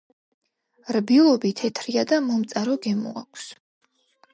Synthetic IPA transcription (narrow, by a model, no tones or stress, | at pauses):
ɾbilˠɔbit̪ʰɛt̪ʰɾiad̪amɔmt̪sʼaɾɔɡɛmṵa̰kʷʰs